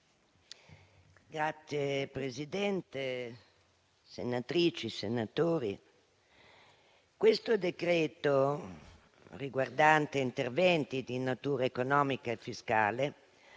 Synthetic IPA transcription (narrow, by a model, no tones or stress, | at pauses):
ɡɾat̪sːjepɾezid̪ɛnt̪e | sḛnat̪ɾiːt͡ʃisenat̪oːɾi | kwest̪od̪ekɾeːt̪o | riɡward̪ant̪eint̪ervɛnt̪id̪inat̪uːɾaekonɔːmikaefːiska̰ːle